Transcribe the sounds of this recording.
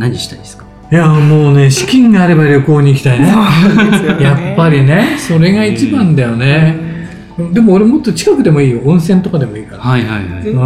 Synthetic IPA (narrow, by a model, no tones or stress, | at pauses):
naɲiɕi̥t̪aid̪skḁ | jamo̞ːne̞ɕi̥kʲĩŋɡaːɾe̞baɾʲo̞ko̞ːɲ̟iːkʲi̥t̪aine | japːaɾʲine̞so̞ɾe̞ɡait͡ɕibãnd̪ajo̞nẽ̞ | d̪e̞mo̞ːɾe̞mo̞t̪ːo̞t͡ɕi̥kakɯ̟d̪e̞mo̞iːjoõɰ̃sẽ̞nt̪okad̪e̞mo̞iːkaɾaahaha